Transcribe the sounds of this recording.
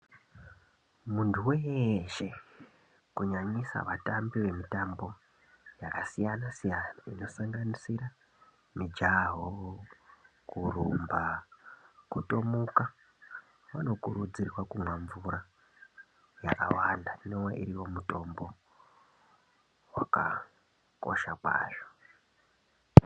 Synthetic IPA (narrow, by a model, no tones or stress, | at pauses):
muntʰuweʃe̞ | kuɲaɲisa̰ʋatambiʋe̞mitambo̞ | jakasijanasijanaino̞saŋɡanisiɾa | mid͡ʒaɦo | kurumba | kuto̞muka | wano̞kuɾud͡zirwakumwaɱvuɾa | jaka̰wandainowaʔḭɾiwo̞muto̞mbo̞ | wa̰ka | ko̞̰ʃakwa̰ːʐo̥